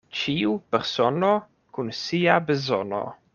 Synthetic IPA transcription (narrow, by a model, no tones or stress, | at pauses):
t͡ʃiupɛɾsono | kunsiabəzo̰no̰